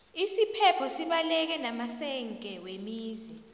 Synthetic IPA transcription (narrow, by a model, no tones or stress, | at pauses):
isipʰɛpʰɔsiɓalɛk̬ɛnamasɛŋkʼɛwemiːzi